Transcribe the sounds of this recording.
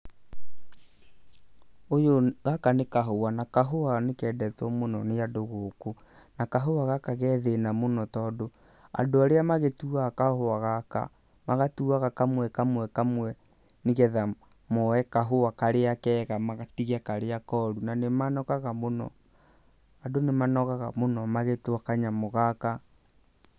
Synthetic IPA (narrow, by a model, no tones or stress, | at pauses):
ojoɣakanekaɦowanakaɦoanekɛːdɛtwɔmonɔneadoɣoko | nakaɦowaɣakaɣɛːðenamonɔtɔːdo | a̰doaɾeamaɣetuakahoaɣaka̰ | maɣatuaɣakamwɛkamwɛkamwɛ | neɣɛða | mɔɛkaɦowakaɾeakɛɣamaɣatiɣakaɾeakɔɾunanemanɔkaɣamonɔ̰ | adonemanɔɣaɣamonɔmaɣetwakaɲamoɣaka